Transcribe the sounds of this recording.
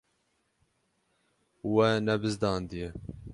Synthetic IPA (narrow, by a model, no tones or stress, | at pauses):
wɛnɛbɨzd̪ɑːnd̪ijɛ